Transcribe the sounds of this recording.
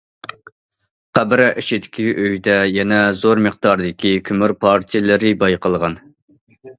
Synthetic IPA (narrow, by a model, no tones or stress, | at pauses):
qʰæbɾɛʔiʃid̪ɪ̥kʲʰiʔøjd̪ɛjɛnɛzoɾmɨχt̪ɑɾd̪ɪkʲikʲʰymyɾpʰɑɾt̪ʰijlˠɪɾɪbɑjqəlˠʁɑn